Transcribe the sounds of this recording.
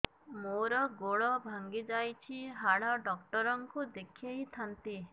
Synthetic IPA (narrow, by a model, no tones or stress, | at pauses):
moɾɔɡoɭɔbʱaŋɡid͡ʒajt͡ʃʰiɦaɭɔɖɔkʈɔɾɔŋkud̪ekʰieɦit̪ʰant̪i